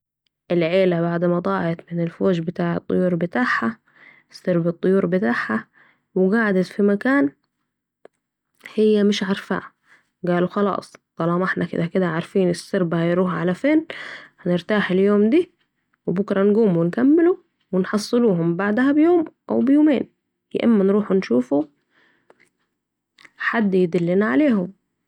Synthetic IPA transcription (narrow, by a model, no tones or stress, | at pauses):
ʔɪlʕeːlabaʕd̪mad̪ˤɑːʕɪt̪mɪnɪlfoːd͡ʒbɪt̪aːʕɨ̰t̪ˤːʊ̰juːɾbɪt̪aːħha | ɪsːɑɾbɑt̪ˤːʊjuːɾbɪt̪aːħha | wɪɡaʕad̪at̪fimakaːn | hɪjːamɪʃʕɑɾˤfa̰ː | ɡaːluxɑlɑ̰ːsˤd̪ˤɑlɑːmʔɪħnʔakɪ̰d̪akɪd̪aʕaɾˤfiːnɪsːɑɾbahajɾuːhʕalafeːnhæneɾt̪aːħeljoːmd̪iː | webʊkɾˤɑnɡuːmuwenkæmːɪlu | wenħɑsˤːɨluːɦʊmbaʕd̪æhæbjoːmʔæ̰wbejoːmeːn | jḛʔæmːænɾuːħunʃuːfu | ħad̪ːjed̪ælːɪnæʕaleːhom